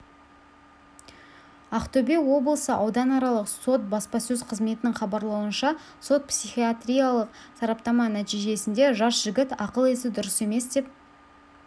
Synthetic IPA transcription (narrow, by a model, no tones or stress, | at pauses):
ɑqt̪ɵbewo̞blˠəsəʔɑwd̪ɑnɑɾɑlˠəqso̞t̪̚bɑspɑsɵzqʰəzme̞t̪ɪnɪŋχɑbɑɾlˠɑwənʃɑ | so̞t̪̚psiχiat̪ɾʲijalˠəq̚sɑɾɑpt̪ɑmɑnæt̪ijʒe̞sɪnd̪e̞ʒɑsʒ̥ɪɡʲɪt̪ɑqəlˠesɪd̪ʊɾəse̞me̞sd̪e̞p̚